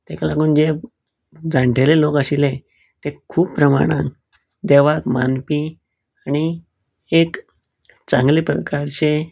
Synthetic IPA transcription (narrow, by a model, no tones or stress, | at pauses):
t̪ekalaɡuːnd͡ʑe | d͡zãɳʈʰelelokəɕile | t̪ekʰuːpːɾəma̰ɽ̃ã̰k | d̪eʋakmanpi | añi | ek | t͡sãŋɡlipɾə̰kaɾt͡ɕe